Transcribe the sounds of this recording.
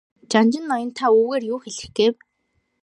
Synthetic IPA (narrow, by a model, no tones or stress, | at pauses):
t͡ɕant͡ɕɪ̆nːɔjə̆nt̪ʰauːɣeːrjuːxeɮɘ̆xɡ̥eːw